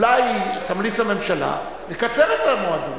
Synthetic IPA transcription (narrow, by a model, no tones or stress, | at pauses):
lajt̪amlit͡shame̞mʃala̰ | lekat͡seʁet̪amoad̪u